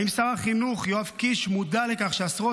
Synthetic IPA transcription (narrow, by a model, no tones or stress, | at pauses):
imsaʁaχinuχjoavkiʃmud̪ale̞kaχʃeasʁo